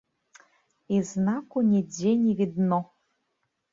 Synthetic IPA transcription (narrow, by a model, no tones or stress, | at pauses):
iznakʷʊnʲedenʲivid̪no